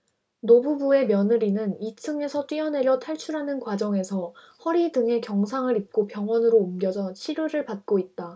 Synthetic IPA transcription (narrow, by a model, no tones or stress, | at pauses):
nobubue̞mjʌnɯɾinɯnitʰɯŋe̞sʰʌt͈ɥiʌne̞ɾjʌtʰaɭt͡ɕʰuɾɦanɯnkwad͡ʑʌŋe̞sʰʌ | hʌɾidɯŋe̞kjʌŋsʰaŋɯɾip̚k͈opjʌŋwʌnɯɾoumɡjʌd͡ʑʌɕʰiɾjoɾɯɭpat̚k͈oit̚t͈a